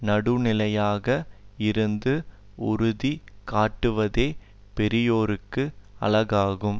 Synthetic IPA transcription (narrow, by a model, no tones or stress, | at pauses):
nɐɽɯnɪlɐjaːɣɐɪɾɯnd̪ɯ | ʊɾʊðikaːʈːɯʋɐðeː | pɛɾɪjoːɾɯkːɯɐ̰lɐɣaːɣɯm